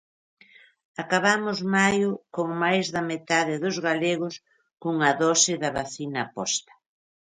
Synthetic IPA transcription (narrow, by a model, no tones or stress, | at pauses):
akaβamʊzmajʊkoŋmajzðɐmet̪aðɪðʊzɣaleɣʊs | kuŋɐðɔsɪðɐβaθinɐpɔst̪ɐ̥